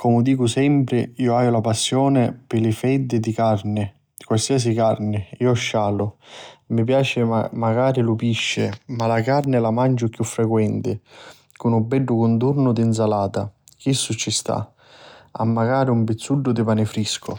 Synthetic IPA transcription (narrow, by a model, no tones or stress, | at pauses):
kɔmʊd̪iːkʊsɛmpɾɪiːʊaːjʊlapasːjɔːnɪpɪlɪfɛd̪ːɪd̪ikarnɪ | kwalsiːas̬ikarnɪiːɔʃːaːlʊmipjaːt͡ʃɪmaɡaːɾɪlʊpiʃːɪmalakarnɪlamand͡ʒʊkːjufːɾɛkwɛnt̪ɪ | kʊnubɛɖːʊkʊnt̪urnʊd̪ins̬alaːt̪ak̟isːʊt͡ʃːist̪a̰ | a̰mːaɡaːɾiumpɪt̪sːuɖːʊd̪ɪpanɪfɾiskʰʊ̰